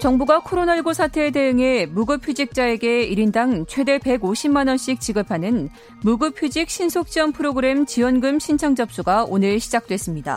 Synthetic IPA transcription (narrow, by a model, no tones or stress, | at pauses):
t͡ɕʌŋbuɡakʰoɾonaiɭɡusʰatʰe̞ːt̬e̞ɯŋe̞muɡɯpʰjud͡ʑik̚t͡ɕ͈ae̞ɡe̞iɾindaŋt͡ɕʰwe̞de̞pe̞ɡoɕʰimːanʌnɕ͈ik̚t͡ɕ͈iɡɯpʰanɯn | muɡɯpʰjud͡ʑik̚ɕ͈ʰinsʰok̚t͡ɕ͈iwʌnpʰɯɾoɡɯɾe̞mt͡ɕiwʌnɡɯmɕʰint͡ɕʰaŋd͡ʑʌp̚s͈uɡaonɯɭɕʰid͡ʑak̚t͈we̞s͈ɯmɲida̰